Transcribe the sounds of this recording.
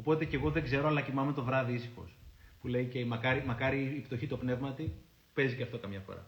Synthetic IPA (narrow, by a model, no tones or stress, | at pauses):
o̞po̞t̪e̞ce̞ɣo̞ðe̞ɡze̞ɾoɐlɐcimɐme̞t̪o̞vɾɐðiisi̥xo̞̰spule̞icemɐkɐɾimɐkɐɾiːpt̪o̞çit̪o̞pne̞vmɐt̪i | pe̞ziceɐft̪o̞kɐmɲɐfo̞̰ɾɐ̰